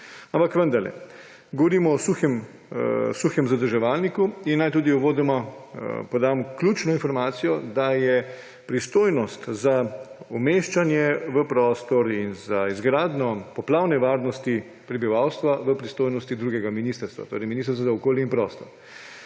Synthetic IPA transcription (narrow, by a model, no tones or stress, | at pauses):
ampakʋənd̪ɐɾlɛ̰ | ɡɔʋɔɾiːmɔɔsuxɛm | suxjɛmzad̪əɾʒɛʋalnikuinːajt̪uːd̪iɔʋoːd̪ɛmɔpɔd̪aːmɔkljut͡ʃnɔinfɔɾmaːt̪sijɔd̪ajɛ | pɾist̪oːjnɔst̪zaɔmeːʃt͡ʃanjɛʋəpɾɔːst̪ɔɾinzaizɡɾaːd̪nɔpɔplaːwnɛʋaːɾnɔst̪i | pɾɛbiʋawst̪ʋaʋəpɾist̪oːjnɔst̪id̪ɾuɡɛɡaminist̪əɾst̪ʋa̰t̪o̰ːɾɛjminist̪əɾst̪ʋazaɔkoːljɛinpɾɔst̪ɔɾ